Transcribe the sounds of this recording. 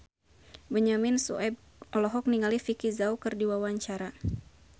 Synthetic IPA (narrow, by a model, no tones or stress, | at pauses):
bəɲamɪnsṵɛb̚ | ɔlɔɦɔk̚niŋalifikizaukɨrdiwawaɲt͡ʃaɾa